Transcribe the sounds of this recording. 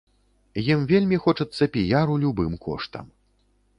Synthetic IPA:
jimvʲelʲmʲixɔt͡ʂɐt̪sːɐpʲijaɾulʲubɨmkɔ̰ʂt̪ɐ̰m

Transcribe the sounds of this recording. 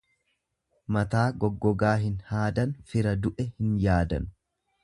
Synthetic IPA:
mɐt̪aːɡɔɡːɔɡaːɦɪnhaːd̪ɐnfɪɾɐd̪ʊʔɛhɪnjaːd̪ɐn

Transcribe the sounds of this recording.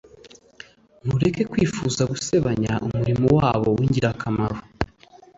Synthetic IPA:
n̥uɾe̞ke̞kwiːfuːzaɡuse̞βaɲaʔumuɾimowaːβo̞̰wiɲɟiɾakʰamaɾo

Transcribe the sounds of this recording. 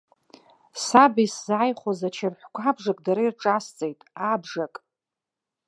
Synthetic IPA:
sabiszaːjχʷozat͡ʃʰarħʷkʷʰabʐakʼdaɾairʈ͡ʂʼast͡sʼejtʼabʐakʼ

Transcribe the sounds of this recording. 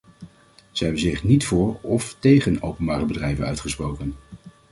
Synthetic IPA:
z̥əɦɛbənzɪχnitfʊːɹɔftejχənowpənbaːrəbədrɛjvənœ̰ɥtχəsprowkən

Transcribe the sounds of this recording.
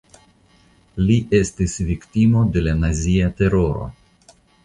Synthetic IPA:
liʔe̞stisviktimo̞de̞lanaziate̞ɾo̞ɾo̞̰

